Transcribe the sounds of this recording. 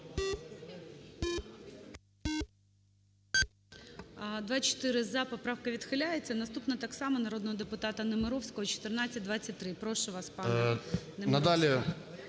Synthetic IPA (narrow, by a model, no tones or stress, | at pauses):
d̪ʋɑt͡ʃɔ̥t̪ɪɾɪzɐpɔpɾɑwkɐʋʲid̪xɪlʲajet͡sʲːɐnɐst̪upnɐt̪ɑksɑmɐnɐɾod̪nɔɦɔd̪epʊt̪ɑt̪ɐnɔmɪɾɔwsʲkɔɦɔt͡ʃɔ̥t̪ɪrnat͡sʲːɐt̚ʲd̪ʋat͡sʲːɐt̚ʲt̪ːɾɪpɾɔʃʊʋɑspɑnnenɐd̪ɑlʲi